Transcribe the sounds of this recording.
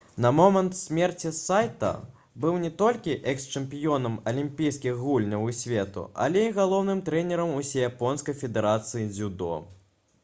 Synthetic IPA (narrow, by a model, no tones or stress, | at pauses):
nɐmɔmɐnt̪sʲmʲɛrt͡sʲisajt̪ɐ̰ | bɨwnʲɛt̪ɔlʲkʲiʔɛkst͡ʂɛmpʲijɔnɐmɐlʲimpʲijskʲixɣulʲnʲɐwisʲvʲɛt̪ṵɐ̰lʲɛiɣalˠɔwnɨmt̪ɾɛnʲɛɾɐmusʲɛjapɔnskɐjfʲɛd̪ɛɾat̪sɨjid͡zʲud̪ɔ̰